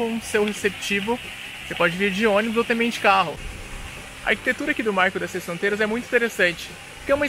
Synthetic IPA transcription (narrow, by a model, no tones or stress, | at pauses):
õsewhesept͡ʃivʊ | osepɔd͡ʒɪviɾd͡ʒɪõnibʊzowt̪ɐ̃mbẽj̃t͡ʃɪ̥kaɦʊ | ɐ̰a̰ɾki̥t̪et̪uɾɐakid̪ʊmaɾkʊd̪ɛsɐsfɾõnt̪ejɾɐzɛmũj̃t̪ĩt̪eɾesɐ̃nt͡ʃɪ̥ | pʊɾkɛũmɐ̃